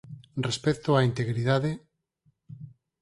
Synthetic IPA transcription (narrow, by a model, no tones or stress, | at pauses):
respɛt̪oaint̪eɣɾiðaðe